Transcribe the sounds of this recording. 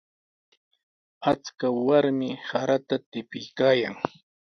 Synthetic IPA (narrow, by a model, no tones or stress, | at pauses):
at͡skawaɾmɪsaɾat̪at̪ɪpɪjkaːjaŋ